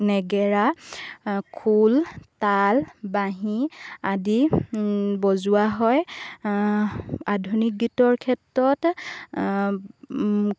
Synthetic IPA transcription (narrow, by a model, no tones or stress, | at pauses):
nɛɡɛɹa | kʰultalbaɦiadi | bɔzʊwaɦɔj | adʱunik̚ɡitɔɹkʰɛtɹɔt